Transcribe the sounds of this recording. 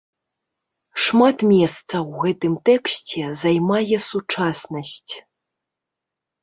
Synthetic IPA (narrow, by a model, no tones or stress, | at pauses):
ʂmat̪mʲɛst̪sɐwɣɛt̪ɨmt̪ɛksʲt͡sʲɛzajmajɛsut͡ʂasnɐsʲt͡sʲ